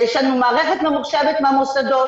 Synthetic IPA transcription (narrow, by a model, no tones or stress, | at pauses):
jɛʃlanumaːʁeχet̪memuχʃɛvet̪meamosad̪o